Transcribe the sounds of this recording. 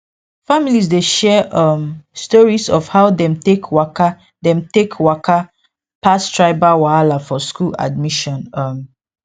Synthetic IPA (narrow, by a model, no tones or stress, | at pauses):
familisdeʃɛʔʌmstɔɹisɔfhaʊdɛ̃mtekwaka | dɛ̃mtekwakʰa | pastʰɹaɪbawaalafɔskula̰d̚miʃɔ̃nʌm